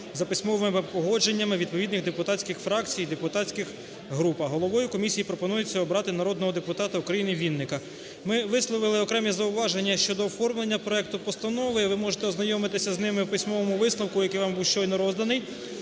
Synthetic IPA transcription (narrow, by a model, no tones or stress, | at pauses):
zɐpɪsʲmɔʋɪmɪmɪpɔɦɔd͡ʒe̞nʲːɐmɪʋʲid̪̚pɔʋʲid̪nɪɣd̪epʊt̪ɑtʲt͡sʲkɪxfɾɑkt͡sʲijd̪epʊt̪ɑt͡sʲkɪx | ɦɾupɐɦɔlˠɔʋɔjʊkɔmʲisʲijipɾɔpɔnujʊt͡sʲːɐɔbɾɑt̪ɪnɐɾɔd̪nɔɦɔd̪epʊt̪ɑt̪ɐukɾɐjinɪʋʲinːɪkɐ | mɪʋɪslˠɔʋɪlˠɪɔkɾɛmʲizɐʊʋɑʒe̞nʲːɐʃt͡ʃɔd̪ɔːfɔrmlˠe̞nʲːɐpɾɔɛk̚t̪ʊpɔst̪ɐnɔʋɪiʋɪmɔʒet̪ɛɔznɐjɔmɪt̪ɪsʲɐznɪmɪwpɪsʲmɔʋɔmʊʋɪslnˠɔwkʊjɐkɪjʋɑmbuwʃt͡ʃɔjnɔɾɔzd̪ɐnɪj